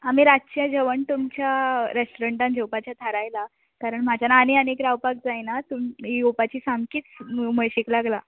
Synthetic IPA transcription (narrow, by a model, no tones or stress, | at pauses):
amiːɾaɕijãd͡ʑəʋəɳt̪umt͡ɕjaɾesʈoɾəɳʈand͡ʑewpat͡ɕjat̪ʰaɾajla | kaɾəɳm̤ad͡ʑʱanaːneənekɾawpak̚d͡zajnat̪umijopat͡ɕiːsamkiːt͡sməɭɕiklaɡla